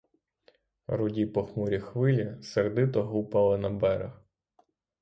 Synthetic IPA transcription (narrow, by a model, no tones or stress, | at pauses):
ɾʊdʲipɔxmuɾʲixʋɪlʲiserd̪ɪt̪ɔɦupɐlˠɪnɐbɛɾɐ̰x